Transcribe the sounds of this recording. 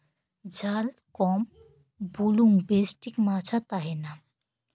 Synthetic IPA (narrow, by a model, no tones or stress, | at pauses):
d͡ʑalkɔm | buluŋɡbesʈikmat͡ɕʰat̪aɦena